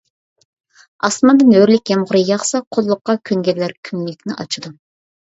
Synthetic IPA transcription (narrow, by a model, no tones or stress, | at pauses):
ɑsmɑnd̪ɨnøɾlɪkʲːɛmʁʊɾɨjɑχsɑqʰolˠlˠʊqːɑkʲʰøŋɡʲɛllːæɾkʲʰymlɪkʲnɪʔɑ̰t͡ʃʰɨd̪u